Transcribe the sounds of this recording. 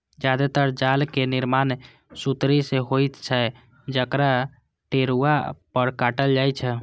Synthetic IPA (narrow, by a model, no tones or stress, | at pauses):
d͡ʒjad̪at̪əɾd͡ʒalkeniɾman | sut̪ɾiseɦojt̪t͡ʃʰɛ | d͡ʒəkɾa | ʈeɾuapəɾkaʈəld͡ʒajt͡ʃʰɛ